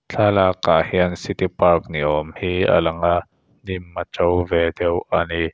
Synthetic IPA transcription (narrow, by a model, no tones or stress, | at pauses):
t͡ɬʰaːlaːkːahiənsit̪ipɐrk̚niʔɔmhiːa̰lɐŋa | nimːat͡ʃowvɛd̪ɛwʔani